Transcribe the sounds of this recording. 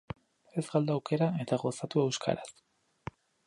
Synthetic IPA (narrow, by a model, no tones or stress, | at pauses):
e̞zɣald̪awke̞ɾae̞t̪aɣo̞sat̪ue̞wskʰa̰ɾas